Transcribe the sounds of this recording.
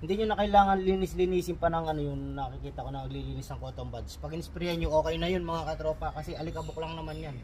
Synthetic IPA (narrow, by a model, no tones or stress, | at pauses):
hɪnd̪iɲʊnɐkɐjlaːŋɐnliːnɪslɪniːsɪmpɐnɐŋʔɐno̞jʊŋnɐkɪkiːt̪ɐko̞nɐmɐɡliliːnɪsnɐŋkoːt̪o̞mbad̪spɐɡɪnɪspɪɾihanjʊŋʔo̞ːkɛjnɐjo̞nmɐŋakɐt̪ɾo̞ːpɐkɐsɛʔɐlɪkɐboklɐŋnɐmanjan